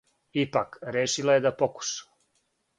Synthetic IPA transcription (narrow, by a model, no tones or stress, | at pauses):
ipakɾeːʃilajed̪apoku̥ʃḁ